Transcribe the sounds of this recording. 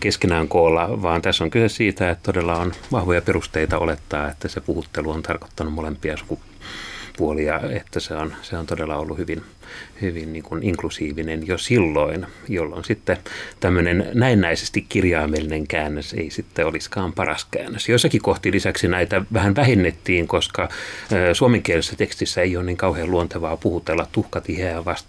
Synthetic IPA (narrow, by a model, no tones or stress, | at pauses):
keskenæːŋkoːlːɑʋɑːnt̪æsːoŋkysessiːt̪æet̪t̪odelːɑonʋɑhʋojɑperust̪eit̪ɑolet̪ːɑːet̪ːæsepuhut̪ːeluont̪ʰɑrko̥t̪ːɑnummolempiɑɑsu̥ku | puoliɑet̪ːæseonseont̪odelːɑolːuhyʋin | hyʋinniːŋkuniŋklusiːʋinenjosilːoinjolːo̰nsit̪ːet̪æmːønennæinːæise̥st̪ikkirjɑːmelːineŋkæːnːøsḛisit̪ːeoliskɑːmpɑrɑ̰skæ̰ːnːøsjoisːɑkikoht̪ilisæksinæit̪æʋæhænʋæhinːet̪ːiːŋkoskɑːsuomeŋkielisːæt̪ekst̪isːæeioːnniːŋkɑuheːluont̪eʋɑːpuhut̪elːɑt̪t̪uhkɑt̪iheːʋɑst̪